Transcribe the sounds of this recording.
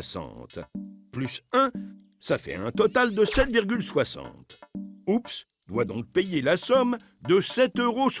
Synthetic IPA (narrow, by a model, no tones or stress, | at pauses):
sɑ̰̃t̪plysɛ̃ | safɛ̰ɛ̰̃t̪ɔt̪ald̪əsɛt̪viʁɡʲylswasɑ̰̃t̪ups | d̪wad̪ɔ̃k̚pejelasɔm | d̪əsɛt̪øʁos